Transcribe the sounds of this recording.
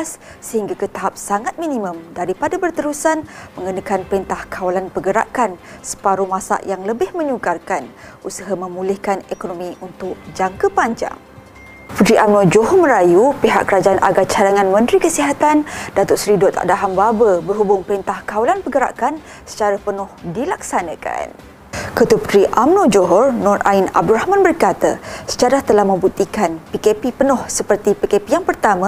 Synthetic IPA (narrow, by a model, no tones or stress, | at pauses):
as | səhiŋɡakət̪aɦap̚saŋat̪̚mĩnimə̃mdaɾipadabərt̪əɾusanmə̃ŋɡənəkanpəɾint̪ahkʰawalanpəɡəɾa̰ʔkansə̥paɾumãsa̰ʔjaŋləbɪhmə̃ɲukarkanʔusaɦamə̃mulɪhkanekonomĩʔunt̪ʊk̚d͡ʒaŋkəpaɲd͡ʒa̰ŋ | pəd̪ɾiʔamnɔd͡ʒoɦɔmə̃ɾajupeɦa̰ʔkəɾad͡ʒaanʔa̰ɡat͡ʃalaŋãnmə̃nt̪ɾikəsiɦat̪andat̪ʊʔsɾidɔt̪a̰ʔdaɦambabəbərɦubʊŋpəɾint̪ahkawalanpəɡəɾa̰ʔkan | sə̥t͡ʃaɾapənʊhdilak̚sanãka̰n | kət̪upəd̪ɾiʔamnõd͡ʒoɦɔrnɔra̰ina̰b̚duɾahmãnbərkat̪a̰sə̥d͡ʒaɾat̪əlahmə̃mbut̪ikanpikepipənɔ̃hsəpərt̪ipikepijaŋpərt̪amã